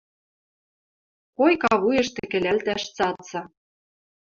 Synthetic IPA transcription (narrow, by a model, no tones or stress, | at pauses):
kojkɑβujɤ̆ʃt̪ĕkɘ̆lælt̪æʃt͡sɑt͡sɑ